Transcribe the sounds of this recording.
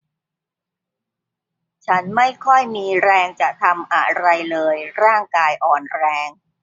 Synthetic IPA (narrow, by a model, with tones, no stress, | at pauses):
t͡ɕʰa˦˥nma˥˩jkʰɔ˥˩jmiː˧ɾɛː˧ŋt͡ɕa˨˩t̪ʰa˧mʔa̰˨˧˩ɾa˧jlɤː˧jɾaː˥˩ŋkaː˧jʔɔː˨˩nɾɛː˧ŋ